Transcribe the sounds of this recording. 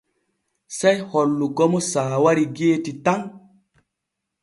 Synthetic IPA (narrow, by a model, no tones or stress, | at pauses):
sejhɔlːuɡɔmosaːwaɾiɡetitaŋ